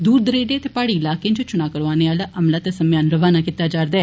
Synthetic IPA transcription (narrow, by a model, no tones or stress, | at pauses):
d̪uːɾd̪əɾeːɖeːt̪eːpaːɽiːɪlaːked͡ʒot͡ʃʊnaːkəɾʋaːneːaːlaʔəmlaːt̪eːsəmjaːnɾəʋaːnaːkit̪ːaːd͡ʒaːɾd̪ɛː